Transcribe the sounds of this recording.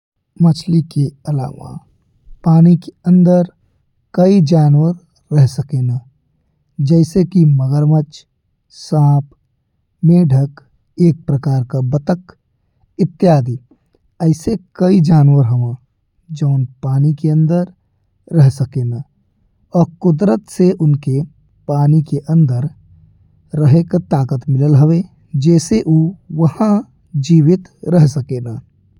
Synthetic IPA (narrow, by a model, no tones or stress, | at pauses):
mət͡ʃʰlikeɐla̰ːʋa̰ | paːnikeə̃nd̪əɾ | kəid͡ʒaːnwəɾː | ɛɦsəkena | d͡ʒɛːsekiməɡəɾmət͡ʃ | saːp | meɖʱək | eːk̚pɾəkaːɾkabət̪ək | ɪt̪ːjaːd̪i | əɪsekəid͡ʒaːnwəɾɦəʋã | d͡ʒəʊnpaːnikeə̃nd̪əɾː | əɦsəkeːna | ɔːɾkʊd̪ɾət̪seʔʊnke | paːnikeʔə̃nd̪əɾː | əɦekat̪aːkət̪mɪləlɦəwe | d͡ʒɛːseʔuːʋəhã | d͡ʒiːʋɪt̪ɾəɦsəkeːna